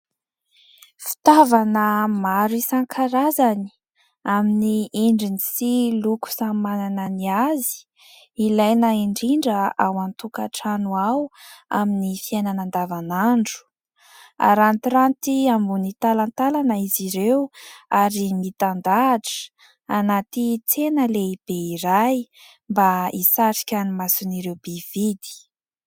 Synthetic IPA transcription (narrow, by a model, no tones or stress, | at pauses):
fi̥t̪avanəmaɾisaŋkʰaɾazani̥ | aminieɳɖ͡ʐinisiluku̥samanananiazi̥ː | lajnaiɳɖ͡ʐiɳɖ͡ʐəawant̪ukaʈ͡ʂanuawa̰minifiananand̪avanaɳɖ͡ʐu̥ | a̰ɾanit̪ɾant̪iambunit̪alant̪alanaiziɾewaɾimit̪and̪aʈ͡ʂə̥ | anat̪it͡senəleib̥eiɾaj | mbaisaɾi̥kʲanimasuniɾewbev̥id̪i̥